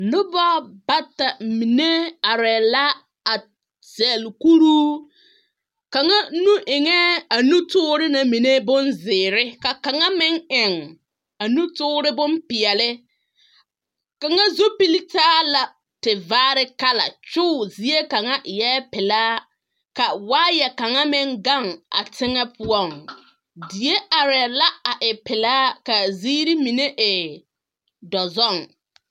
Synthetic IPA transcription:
lʊ˦ba˦ba˦ta˨mi˨ne˦a˨ɾɛ˨la˦ | a˨ | z̥ɛ˨lku˦ɾuː˦ | ka˨ŋa˦nu˦ʔɪ˨ŋɛ˦a˨nu˦tʊː˦ɾɪ˦na˨mi˨ne˦bʊ˦nzɪː˨ɾɪ˦ka˨ka˨ŋa˦mɪ˦ŋɪ˨ŋ | a˨nu˦tʊː˦ɾɪ˦bʊ˦mpɪ˨ɛ˨lɪ˦ | ka˨ŋa˦zo˦pi˦li˦taː˦la˨ | tɪ˨vaː˦ɾɪ˦ka˦la̰˨t͡ʃʊː˦˨zi˨˦e˦ka˨ŋa˦jɛː˦pɪ˨laː˦ | ka˨waː˦jɛ˨ka˨ŋa˦mɪ˦ŋɡa˦˨ŋa̰˨tɪ˦ŋɛ˦pʰʊ˦ɔ˦˨ŋ | di˨e˦a˨ɾɛ˨la˦a˨ʔɪ˨pɪ˨laː˦ka˨ziː˦ɾi˦mi˨ne˦ʔɪ˨ | dɔ˨zɔ˦˨ŋ

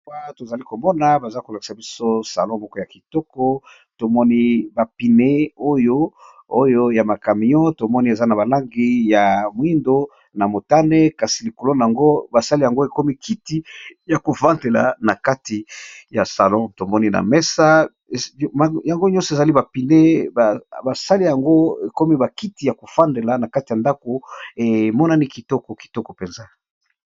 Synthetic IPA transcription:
wa˦to˨za˨li˦ko˨mɔ˦na˨ba˨za˦ko˨la˨ki̥˨sa˨bi˦so˦sa̰˨lɔ̃˦mɔ˦kɔ˦ja˨ki˨tɔ˦kɔ˦ | to˨mɔ˦ni˦ba˨pi˨ne˦o˦jo˦ | o˦jo˦ja˨ma˨ka˨mi˨jɔ̃˦to˨mɔ˦ni˦e˨za˦na˨βa˨la˦ŋɡi˦ja˨mwi˦ndo˦ | na˨mo˨ta˦ne˦ka˨si˨li˨ko˨lo˦na˨a˨ŋɡo˦ba˨sa˦li˦ja˨ŋɡo˦e˨ko˦mi˦kʰi˨ti˦ja˨ko˨vã˦nde˨la̰˨na˨ka˦ti˨ja˨sa˨lɔ̃˦to˨mɔ˦ni˦na̰˨mɛ˦sa˦˨ | ja˨ŋɡo˦ɲɔ̃˦sɔ˨e˨za˨li˦ba˨pi˨ne˦ba˨ba˨sa˦li˦ja˨ŋɡo˦e˨ko˦mi˦ba˨ki˦ti˨ja˨ko˨fa˦nde˨la˨na˨ka˦ti˨ja˨nda˦ko˨e˨mɔ˦na˦ni˦ki˨tɔ˦kɔ˨ki̥˨tɔ˦kɔ˨pe˨nza˦

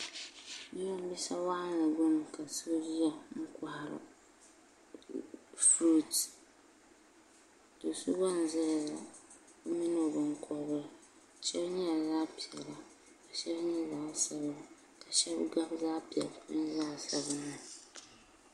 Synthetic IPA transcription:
ji˦a˦m̩˦bi˦sa˦wa˦a˦la˨ɡʊ˦m˨ka˨su˦ɾi˦ja˨mʊ˦ka˨ha˨ɾʊ̰˨ | fɾu˦t | do˨su˦ba˦n̩˨zɪ˦lɪ˨za˨ | o˦mi˦no˨bʊ˨ŋ˨kʰɔ˨b | t͡ʃɛ˦bɲɛ˦ja˨zaː˦pi˨ɛ˨la˨ | ka˨ʃɛ˦bɲɛ˦zaː˦sɛ˦bɨ˦la˨ | ka˨ʃɛ˦bɡa˦bzaː˦pi˨ɛ˨lɪ˦n˦zaː˦sa˨bɨ˦nʊ˨

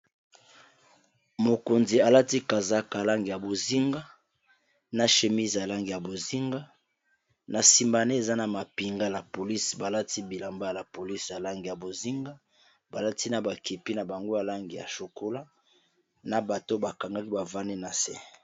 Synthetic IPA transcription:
mo˨ko˨nzi˨a˨la˦ti˦ka˨za˦ka˨la˦ŋɡi˨ja˨bo˨zi˦ŋɡa˦ | na˨ʃe˨mi˦zja˨la˦ŋɡi˨ja˨bo˨zi˦ŋɡa˦ | na˨si˨mba˨ne˦e˨za˦na˨ma˨pi˨ŋɡa˦la˨po˨li˦sba˨la˦ti˦bi˨la˨mba˦a˨la˨po˨li˦sja˨la˦ŋɡi˨ja˨bo˨zi˦ŋɡa˦ | ba˨la˦ti˦na˨ba˨ki˨pi˦na˨ba˨ŋɡo˦ja˨la˦ŋɡi˨ja̰˨ʃo˨ko˦la˦ | na˨ba˨to˦ba˨ka˨ŋɡa˦ki˦ba˨va˦ne˦na˨sɛ̰˦

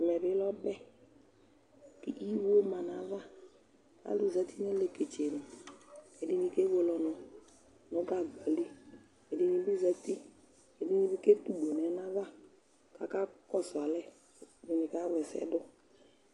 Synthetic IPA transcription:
mɛ˨bɪ˦lɔ˦bɛ˦ | kḭ˨ʔi˦wo˦ma˨na˨˦va˦ | a̰˨˦lu˨za˦ti˦n˦e˦le˦ke˨t͡ʃe˨nu˨ | e˨di˦ni˧ke˦wo˦lɔ˨nɔ˨ | nʊ˦ɡa˦˨ɡɔ˨li˦ | e˨di˧ni˨bi˦za˦ti˦ | e˨di˦ni˧˦bi˦ke˦tu˦˨ɡ͡bo˨nɛ˨˦na˦va˦ | ka˨˦ka˦kɔ˦˨sa˨lɛ˦˨ | di˨ni˨ka˦wɛ˨sɛ̰˦dʊ˦

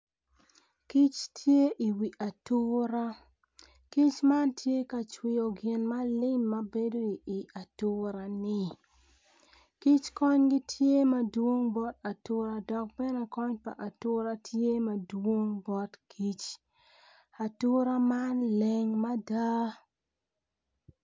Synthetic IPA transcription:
ki˦t͡ʃtʰje˦ʔi˨wi˨ʔa˨tu˦ɾa˦ | ki˦t͡ʃma˦ntʰje˦ka˨t͡ʃwɪ˨o˨ɡɪ˨nma˦lɪ˦mːa˨˦be˦do˦i˨i˨a˨tʊ˦ɾa˨nɪ˦ | ki˦t͡ʃkɔ˦ɲɡɪ˦tʰje˦ma˦dwo˦ŋbɔ˦ta˨tʊ˦ɾa˨dɔ˨k̚bɛ˦ne˨kɔ˦ɲpa̰˨ʔa˨tʊ˦ɾa˦tʰje˦ma˨dwo˦ŋbɔ˦tkʰi˦t͡ʃ | a˨tʊ˦ɾa˦ma˦nlɛ˦˨ŋma˦da˦

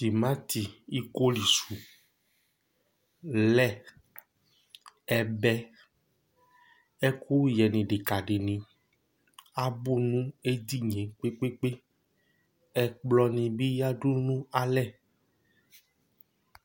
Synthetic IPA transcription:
ti˨mã˦t̪i˨i˦ko˦li˨su˨ | lɛ˦˨ | ɛ˨bɛ˦ | ɛ˦ku˦jɛ˨nĩ˨ɖe˨ka˨ɖe˨nĩ˨ | a˦bu˦˨nũ˦e˦di˦˨ɲẽ˨k͡pe˦k͡pe˦k͡pe˦ | ɛ˨k͡plɔ˧nĩ˧bi˦ja˦ɖu˦nũ˦a˨lɛ˦˨

